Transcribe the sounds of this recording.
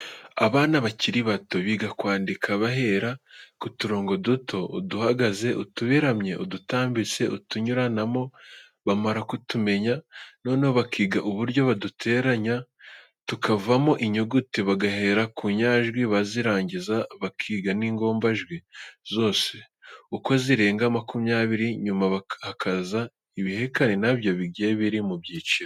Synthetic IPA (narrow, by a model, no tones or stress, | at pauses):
aβaːnaβaciɾiβato̞βiːɡakwaːndikʰaβaɦe̞ːɾakutuɾo̞ːŋɡo̞dutʰo̞ṵduhaɡaze̞ʔutuβiɾamɲe̞ʔudutaːmbit͡se̞ʔutuɲuɾanamo̞ | βamaɾakutume̞ɲano̞ːnehoβakiːɡaʔuβuɾɟo̞βadutʰe̞ːɾaɲa | tukavamo̞ʔiɲoɡutiβaɡahe̞ɾakuɲaːʒɡwiβaziɾaːɲɟizaβakʰiːɡaniːŋɡo̞ːmbaʒɡwizo̞ːse̞ | uko̞ziɾe̞ːŋɡamakumjaːβiɾiɲumaβahakʰaza | iβihe̞kanenaβjo̞βiɡɡeeβiɾimubjiːt͡ʃiɾo